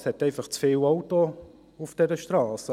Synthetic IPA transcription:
shɛtɛɪfɑχt͡sfɪːlawto | ʊfd̥ɛɾəʃtrɑːsə

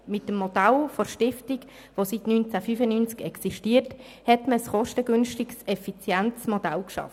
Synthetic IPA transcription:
mɪtːəmːod̥alfɔrʃtɪftik | vositnyːnt͡safyfənynt͡skɛksiʃtiːərt | hɛtməsχɔʃtəɡ̥ʏnʃtiksɛfit͡sjɛnt͡smod̥alkʃɑ̰f

